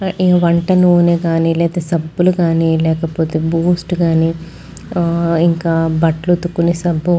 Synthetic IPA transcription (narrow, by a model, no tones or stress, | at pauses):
iʋɐɳʈɐnuuːneːɡaːnilɛːd̪ɐsɐbːuluɡaːniːlɛːkɐpoːt̪eːbuːsʈɡaːniː | iŋkaːbɐʈlut̪ukːunesɐbːu